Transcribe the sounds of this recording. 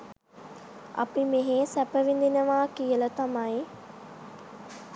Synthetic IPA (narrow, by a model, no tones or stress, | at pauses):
ɐ̰pimeɦeːsæpəʋind̪inəʋaːkijələt̪amai